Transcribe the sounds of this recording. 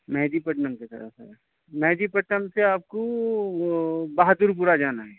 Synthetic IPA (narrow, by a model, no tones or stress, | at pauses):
mɛɦd͡ʒ̪ipɐʈnəmket̪ɐ̰ɾə̰fɛ̰ | mɛɦd͡ʒ̪ipɐʈnəmseaːp̚ko | baːɦt̪uɾp̬uɾad͡ʒaːnaɦɛː